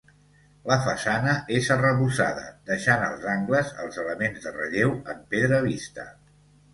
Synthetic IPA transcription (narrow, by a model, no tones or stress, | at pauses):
ləfəsanəʔezərəβusa̰ðə̰d̪əʃanəlˠzaŋɡləzə̰lˠzələmenzðərə̰ʎewəmpeðɾəβist̪ə̰